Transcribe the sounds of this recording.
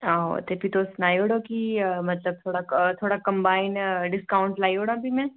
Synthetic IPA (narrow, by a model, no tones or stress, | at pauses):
aːɦo̰t̪epit̪osnaːioːɽokimɐt̪ləb̚t̪ʰoːɽat̪ʰoːɽakɐ̃mbaːɪnɖɪskaːʊɳʈlaːiɦoːɽãbʱimɛ̃ː